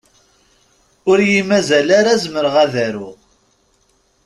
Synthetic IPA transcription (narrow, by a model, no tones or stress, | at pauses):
ʊɾjimæzælaɾazməɾʁæðæɾʊʁ